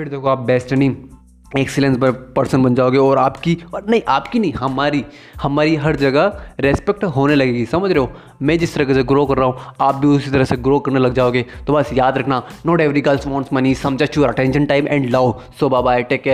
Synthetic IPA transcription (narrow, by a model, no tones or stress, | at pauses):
pʰɪɾd̪eːkʰoaːp̚bɛːsʈnĩ | ɛksɪlẽnsbɐpɐɾsənbɐnd͡ʒaːoɡeɔːɾaːpkiɔːnɐɦĩʔaːpkinɐɦĩɦɐmaːɾi | hɐmaːɾiɦɐɾd͡ʒɐɡaɾeːspek̚ʈɦoːnelɐɡeːɡisɐməd͡ʒʱɾeɦoː | mɛ̃ːd͡ʒɪst̪ɐɾɐk̬eseɡɾoːkɐɾːaːɦũaːp̚bʱiʊsit̪ɐɾəseɡɾoːkɐɾnelɐɡ̚d͡ʒaːoːɡeːt̪obɐsjaːd̪ɾɐkʰnanɔːʈeːʋɾiɡɐlsʋɔ̃ːɳsmɐnisɐ̃md͡ʒat͡ʃuːɾɐʈɛ̃nʃə̃nʈaːɪmʔɛ̰̃ːɳɖlɐʋ | sobabaːeʈeːkːe